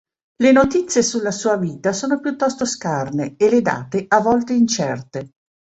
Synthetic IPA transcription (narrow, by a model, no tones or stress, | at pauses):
lenot̪it̪sːjesulːasuːaviːt̪asoːnopjut̪ːɔst̪oskarneeled̪a̰ːt̪eʔavːɔlt̪eint͡ʃɛrt̪e